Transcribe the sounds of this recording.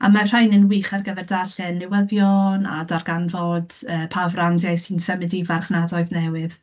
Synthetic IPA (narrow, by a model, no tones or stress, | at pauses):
a̰mar̥ajnənwiːχarɡəvɛrdaɬɛnːɪwəðjɔna̰darɡanvɔd̥əːpʰavrandjajsinsəmɨdivarχnadɔɨðnɛwɨð